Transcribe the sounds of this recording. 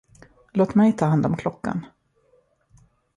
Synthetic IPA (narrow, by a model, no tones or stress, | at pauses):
loːt̪mɛjt̪ʰɑːɦand̪ɔmkʰlɔkːa̰n